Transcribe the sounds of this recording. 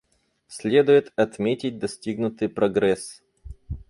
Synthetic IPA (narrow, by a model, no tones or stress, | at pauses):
sʲlʲed̪ʊjɪt̪ɐt̪mʲetʲɪt̚ʲd̪ɐsʲtʲiɡnʊt̪ɨjpɾɐɡɾɛs